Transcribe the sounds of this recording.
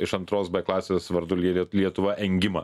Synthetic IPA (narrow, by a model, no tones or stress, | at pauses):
ɪʃɐnt̪ɾoːsbɐklˠɑːsʲeːsʋɐɾd̪ʊlʲilʲiɛt̪ʊʋɐʔɛŋʲɡʲɪmɐ̰